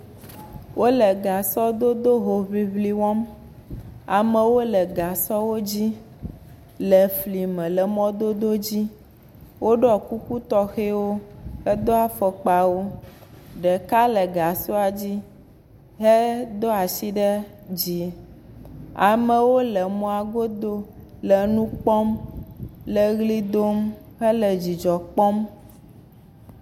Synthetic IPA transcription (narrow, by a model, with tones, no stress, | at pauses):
wʔo˦lə˨ɡa˨sɔ˦d̪o˦d̪o˦ɦo˨βi˦βli˦wɔ̃˦m | a˨mə̃˨wo˦lə˨ɡa˨sɔ˦wo˦d͡ʑi˦ | lə˨fli˨mɛ̃˨lə˨mɔ̃˦d̪o˦d̪o˦d͡ʑi˦ | wo˦ɖɔ˦˨ku˦ku˦t̪ɔ˦xe˦wo˦hɛ˦d̪o˦a˦fə˨k͡pa˨wo˦ | ɖɛ˨ka˦lə˨ɡa˨so˦a˨d͡ʑi˦ | ɦɛ˦d̪o˦a˨si˦ɖɛ˦ | d͡ʑi˨ | a˨mə˨wo˦lə˨mɔ̃˦a˨ɡo˦d̪o˦lə˨nũ˦k͡pɔ˦m | lə˨ɣli˦d̪o˦m | ɦə˦lə˨d͡ʑi˨d͡ʒɔ˨k͡pɔ˦m